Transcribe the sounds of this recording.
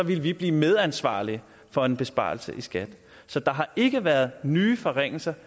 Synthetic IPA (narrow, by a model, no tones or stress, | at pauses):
ɒ̽ʋiləʋib̥liːmeð̞ˠænsʋɑ̰̈ːliə | fɒ̽e̝nb̥e̝sb̥ɑ̰̈ːl̩sə̰ʔisɡ̥æd̥ | sɒ̽d̥ɑ̈ɦɑ̈ʔe̝ɡ̥əʋæɐð̞̩ˠnyːfɒ̽ʁeŋ̰l̩sɐ